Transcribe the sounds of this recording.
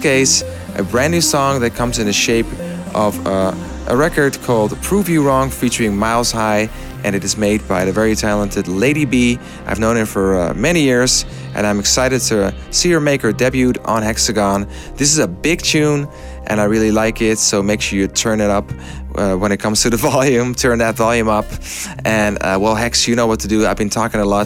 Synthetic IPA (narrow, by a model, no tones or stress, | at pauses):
keɪs | ʔɨ̰bɹæ̃nːʉsɔ̃ŋðɨt̚kʰʌ̃mzɨ̃nðɨʃeɪp | ʔʌv | ʔə̰ɹɛkə˞d̚kʰɔlˠdpʰɹ̥uvjɨɹɔ̃ŋfit͡ʃə˞ɪ̃ŋmaɪlˠz̥haɪ | ʔɨ̃nɨɾɨzmeɪd̚baɪðɨvɛɹitʰælˠə̃ntʰɨdˡleɪɾibi | ʔaɪvnõʊ̃ñɨtfə˞mɛnijɪɹz̥ | ʔɨ̰̃nãɪ̃mɨksaɪɾɨd̚tʰɨ | sijə˞meɪkə˞dɛbjʉɾn̩hɛksɨɡɑ̃n | ðɪs̬ɨzəbɪɡ̚tʰʉ̃n | ʔɨ̰̃naɪɹɪlˠilaɪkɪtsoʊmeɪkʃɨtʰɜ̃˞nɨɾʌp | wə̃ñɨt̚kʰʌ̃mz̥tʰɨðɨvɑlˠjʉ̃mtʰɜ̃˞nðɨtvɑlˠjʉ̃mʌp | ʔɨ̃n̰wɛlˠɦɛksjɨnoʊwʌtʰɨdɨaɪvbɨ̃ntʰɔkɪ̃ŋəlɔt